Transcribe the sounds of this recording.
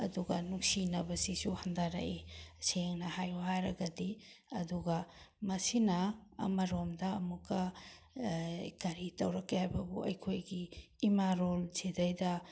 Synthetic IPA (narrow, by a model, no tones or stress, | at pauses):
ɐ̰duɡɐnuŋsinɐbɐsisuhandaɾa̰ʔiseŋnɐhajuhajɾɐɡɐdiɐduɡɐmɐsinɐ̰ːmɐɾomdɐːmukːɐ | kɐɾitɐwɾɐkːehajbɐbuʔɐ̰jkʰojɡiːmaɾolzidɐjdɐ